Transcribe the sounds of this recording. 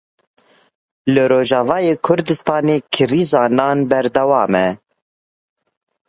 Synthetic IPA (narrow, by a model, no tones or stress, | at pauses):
lɨɾoːʒɑːvɑːjeːkʰʊɾd̪ɨst̪ɑːneːkʰɨɾizɑːnɑːnbɛɾd̪ɛwɑːmɛ